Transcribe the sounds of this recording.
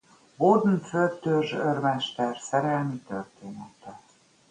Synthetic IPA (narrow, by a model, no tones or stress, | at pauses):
bord̪nføt̪øʒørmɛʃt̪ɛrsɛɾɛlmit̪ørt̪eːnɛt̪ɛ